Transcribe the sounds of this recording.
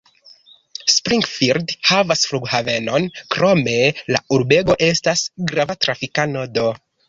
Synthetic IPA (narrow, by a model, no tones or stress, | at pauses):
spɾiŋɡfiɾdhavasfluɡhave̞no̞nkɾo̞me̞la̰uɾbe̞ɡo̞ʔe̞stasɡɾavatɾafikano̞do̞